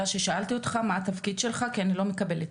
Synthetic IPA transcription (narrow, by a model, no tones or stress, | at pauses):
aʃe̞ʃaʔalt̪io̞t̪χamaːt̪afkid̥̪ʃe̞lχakianilo̞me̞kabe̞let